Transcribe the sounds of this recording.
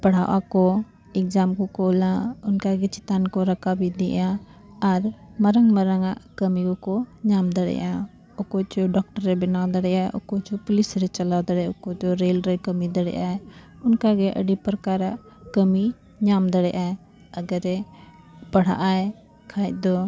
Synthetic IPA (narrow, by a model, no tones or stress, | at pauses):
pɐɽ̤aːʔa̰ko | ɪkzaːmkokoːlãːʊnkaɡet͡ʃɪt̪aːnkoɾɐkʰabid̪iã | ɐɾməɾəŋɡməɾəŋakɐmikoɲaːmd̪əɽḛa | ɔkɔt͡ʃɔɖɔk̚ʈəɾːɛbɪnad̪ɐɽɛjaʔɔkɔt͡ʃɔpʊlɪsɾɛt͡ʃɐlad̪ɐɽɛɔkɔt͡ʃɔɾeːlɾɛkəmid̪ɐɽɛ̰ʔae | ʊnkaɡɛʔə̰ɖipɾkaɾaʔ | kəmi | ɲaːmd̪əɽɛʔae | ɐɡəɾɛ | pɐɽ̤a̰ʔaɛ | kʰaːɛʔ̚d̪ɔ